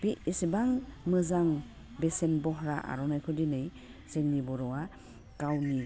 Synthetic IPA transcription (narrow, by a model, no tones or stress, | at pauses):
b̥iʔisibaŋmɯzaŋ | besenbɔɦɾaʔa̰ɾɔnajkʰɔdinɯj | z̥eŋnibɔɾɔwa | kawni